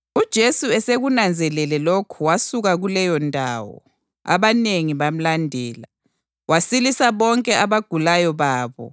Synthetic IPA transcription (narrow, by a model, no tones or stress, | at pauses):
ud̥ʒ̥ʱesuɛseɣunand͡zʱɛlɛlɛlokʰuwasuɣaɣulɛjɔndʱa̰ːwɔ̰ | a̰βaneŋiβam̩landʱɛːla | wasilisaβɔŋkʼɛaβaɡ̥ʱulajɔβaːβɔ̰